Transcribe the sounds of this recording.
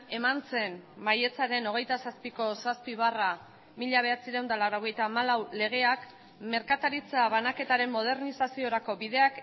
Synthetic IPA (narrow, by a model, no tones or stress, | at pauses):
e̞mant͡se̞nmaje̞t͡saɾe̞no̞ɣ̞ejt̪asaspiko̞saspiβara | miʎaβ̞e̞at͡siɾewnd̪alawɾoɣ̞e̞jt̪aːmalawle̞ɣ̞e̞ak | me̞ɾkat̪aɾit͡saβanake̞t̪aɾe̞mːo̞ð̞e̞ɾnisasio̞ɾako̞βiðe̞ak